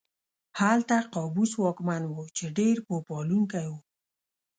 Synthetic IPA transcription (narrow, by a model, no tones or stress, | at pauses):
halt̪aqɑbuswɑkmanwot͡ʃeɖeɾpopɔluŋkajwu